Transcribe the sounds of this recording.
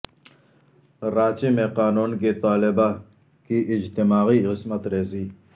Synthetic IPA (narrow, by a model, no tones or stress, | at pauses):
ɾaːt͡ʃimẽqaːnuːnkit̪aːlɪba | kiʔɪd͡ʒt̪imaːɣiqɪsmət̪ɾeːsiː